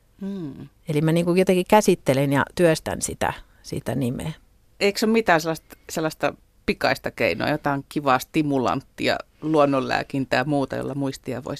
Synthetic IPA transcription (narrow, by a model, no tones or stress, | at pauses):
m̩ː | elimæniːŋkujot̪eŋkikæsit̪ːelenjɑ̰t̪yøst̪æ̰nsit̪æ̰ | sḭt̪ænimḛː | eiksommit̪æːselːˑɑst̪selːɑst̪ɑ | pikɑist̪ɑkḛino̰ɑjot̪ɑiŋkiʋɑːˑst̪imulɑ̰nt̪ːiɑ̰ | luonːollæ̰ːkint̪æːmuːt̪ɑjo̰lːɑmuist̪iɑʋo̰is